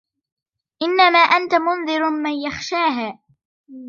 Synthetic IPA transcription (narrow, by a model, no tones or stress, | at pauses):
ʔɪnːamaːʔant̪amʊnðɪɾmanjaxʃaːɦaː